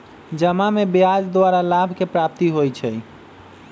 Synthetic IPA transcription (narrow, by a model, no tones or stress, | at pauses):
d͡ʒəmamebiad͡ʒd̪waɾalabʱkepɾap̚t̪iɦojt͡ʃʰɛ